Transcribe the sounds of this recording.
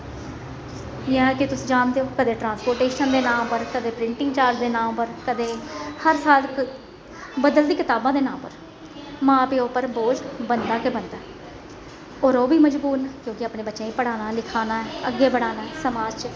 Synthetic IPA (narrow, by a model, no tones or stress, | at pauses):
ɪãːkɪt̪ʊsd͡ʒaːnd̪eoːkəd̪eːʈɾãːnspoːɾʈeːʃənd̪eːnãːmpəɾkəd̪eːpɾɪ̃ɳʈɪ̃ŋɡt͡ʃaːɾd͡ʒd̪eːnãːmpəɾkəd̪eːhəɾsaːl | bəd̪əld̪iːkɪt̪aːbãːd̪eːnãːmpəɾ | mãːpeːoːpəɾboːd͡ʒbənd̪aːkeːbənd̪aː | ɔːɾoːbiːməd͡ʒbuːnːkjõːkɪəaːpneːbətːʃãːĩːpəɽaːnaːlɪkʰaːnaːɛəɡːeːpəɽaːnaːɛsəmaːd͡ʒt͡ʃ